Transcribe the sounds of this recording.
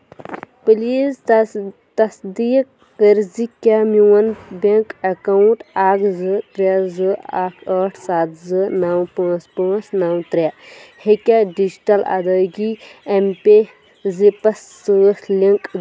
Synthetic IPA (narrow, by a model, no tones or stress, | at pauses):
pɨliːz | t̪ɐsd̪iːkːəɾzikʲamiwɐnbeŋkɐkɐwuɳʈaːkzɨt̪ɾazɨa̰ːkʰɐʈʰsaːt̪zɨnɐwpãːspə̃ːt͡snawt̪ɾʲahekʲaɖid͡ʒiʈɐlɐ̰d̪əːɡiempe | zipɐsːɨːsliŋkʼ